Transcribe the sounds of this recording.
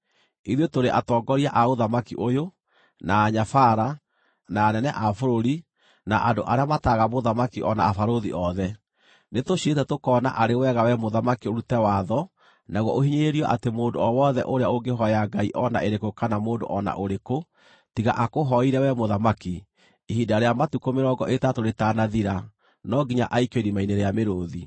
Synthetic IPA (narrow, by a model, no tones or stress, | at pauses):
iðotoɾeʔatɔːɡɔɾiaʔaoðamakḭʔojo | naːɲafaɾa | naːnɛnɛʔafoɾoɾi | naʔandoʔaɾeamataɣamoðamakiʔɔna̰ːfaɾoðḭʔɔðɛ | netoɕietɛtokɔna̰ʔaɾewɛɣawɛmoðamakioɾutɛwaðɔ | naɣwɔʔohiɲeɾeɾiɔʔatemoːndoɔwɔðɛ̰ʔoɾeaoɡeɦɔaɡaiʔɔna̰ʔeɾekokanamoːndo̰ʔɔna̰ʔoɾeko | tiɣa̰ʔakoɦɔiɾɛwɛmoðamaki | ihidaɾeamatukomeɾɔɡɔ̰ʔetatoɾetanaðiɾa | nɔɡiɲa̰ʔaikeiɾimaineɾeameɾoːði